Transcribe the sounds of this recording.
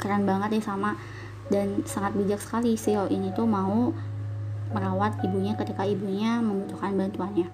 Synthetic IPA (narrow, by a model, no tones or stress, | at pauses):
kəɾanbaŋət̪̚jasama | dansaŋat̪̚bid͡ʒaksə̥kalisioʔinit̪umau | məɾawat̪ibuɲakət̪ikaibuɲaməmbut̪uhkanbant̪uanɲa